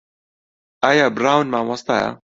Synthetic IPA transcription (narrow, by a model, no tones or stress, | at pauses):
ʔajabɾawnmaʕwɑsˤt̪ɑja̰